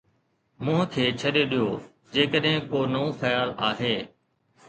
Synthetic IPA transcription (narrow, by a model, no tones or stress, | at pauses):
mʊ̃ɦə̃kʰeːt͡ɕʰɐɗeɗijoː | d͡ʑeːkəɗɦɪ̃koːnɐũxəjaːlaːɦeː